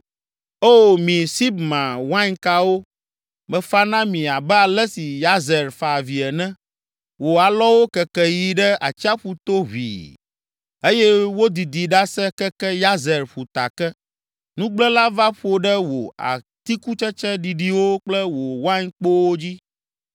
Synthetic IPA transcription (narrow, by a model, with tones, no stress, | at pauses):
o˦wo˨mĩ˨si˦bmã˨wa˦ɲka˦wo˦ | mɛ̃˨fa˦nã˦mĩ˨a˨bɛ˦a˨lɛ˦si˨ja˦zɛ˨ɾfa˨vi˨ɛ˨nɛ̃˦ | wo˨a˨lɔ˦wo˦kɛ˨kɛ˦ji˨˦ɖɛ˦a˨t͡ɕi˦a˦ɸu˨t̪o˦ɦʷḭ˨ | e˦jɛ˦wo˦d̪i˨d̪i˨ɖa˦sɛ˦kɛ˦kɛ˦ja˦zɛ˨ɾɸu˨t̪a̰˨kɛ˦ | nũ˦ɡ͡blɛ˦la˦va˦ɸo˦ɖɛ˦wo˨a̰˨ | t̪i˦ku˦t͡ʃɛ˦t͡ʃɛ˦ɖi˨ɖi˦wo˦k͡plɛ˦wo˨wã˦ɲk͡po˦wo˦d͡ʑi˦